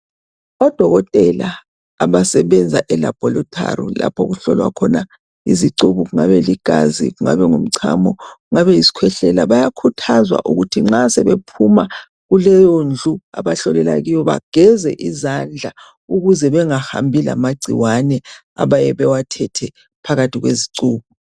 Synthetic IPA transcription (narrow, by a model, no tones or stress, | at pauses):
ɔd̥ʱɔɣɔtʼɛlaː | βasɛβɛnd͡zʱaʔɛla̰b̥ʱɔlɔtʰʼa̰rḭla̰pʰɔɣuɬɔlwa̰kʰɔna | ḭziǀuβuɣuŋaβɛliɡ̥ʱazḭɣuŋa̰βɛŋum̩ǀʰa̰mɔɣuŋaβɛisi̥kʰwɛɬɛlaβajakʰutʰazwa̰ʔuɣutʰiŋ͡ǁasɛβepʰuma | ɣulɛjɔnd͡ɮʱua̰βaɬɔlɛlaɣijɔβa̰ɡ̥ʱɛzɛʔizand͡ɮʱa | uɣuzɛβɛŋaha̰mbʱila̰maɡ͡ǀʱiwanɛ | a̰βajɛβɛwatʰɛtʰɛ | pʰaɣatʰiɣweziǀuːβu